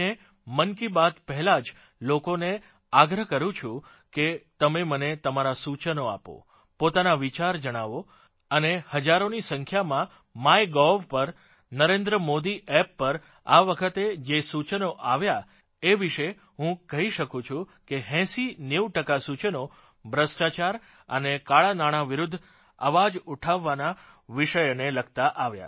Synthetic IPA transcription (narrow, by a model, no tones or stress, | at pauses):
e | mənkibat̪pəɦɛlad͡ʒ | lokone | aɡɾəɦkəɾũt͡ʃʰũ | ket̪əmemənet̪əmaɾasut͡ʃənoa̰po̰ | pot̪anaʋit͡ʃaɾd͡ʒəɽ̃aʋo | ənehəd͡ʒaɾonisə̃ŋkʰjamã | majɡɔʋpəɾ | nəɾẽnd̪ɾəmod̪iʔɛpːəɾ | aʋəkʰət̪ed͡ʒesut͡ʃənoʔaʋja | eʋiʃe | ɦũkəɦiʃəkũt͡ʃʰũkeɦɛ̃sinewʈəkasut͡ʃəno | bʱɾəsʈat͡ʃaɾ | ə̰nekaɭanaɽ̃aʋiɾud̪ʱː | ə̰ʋad͡ʒuʈʰaʋːana | ʋiʃəjneləɡ̚t̪aʔaʋja̰